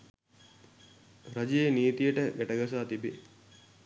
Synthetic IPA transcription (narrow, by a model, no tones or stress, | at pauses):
ɾad͡ʒejeniːt̪ijəʈəɡæʈəɡas̬aːt̪ibe